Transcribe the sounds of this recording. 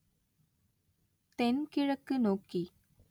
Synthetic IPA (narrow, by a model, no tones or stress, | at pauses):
t̪enkiɻəkːɨnoki